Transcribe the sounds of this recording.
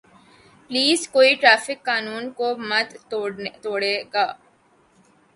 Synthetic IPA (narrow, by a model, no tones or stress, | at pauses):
pliːzkoːiʈɾaːfɪkːaːnuːnkomɐd̪t̪oːɽeːɡaː